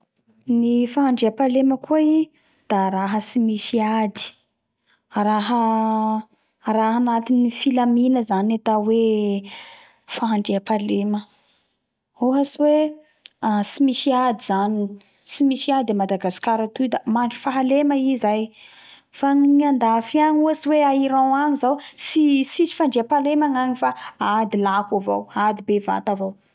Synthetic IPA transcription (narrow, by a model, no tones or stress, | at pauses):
nifaɦaɳɖ͡ʐeapaleməkuai | d̪̥aɾaɦəsimiʃiad̪i̥ | ɾaɦə | ɾaɦanat̪inifilaminəzanat̪awe | faɦaɳɖ͡ʐeapalemə | oɦaswe | asimisiad̪iz̥ani | simisiad̪d̪emad̪aɡasi̥kaɾat̪ujd̪amaɳɖ͡ʐifaɦaleməizaj | faɲiɲiand̪afiaŋuasiweaiɾawaɲizawsisit͡ʃi̥faɳɖ͡ʐeapalemaŋaɲifaad̪ilakavo̰wad̪ibeva̰t̪avow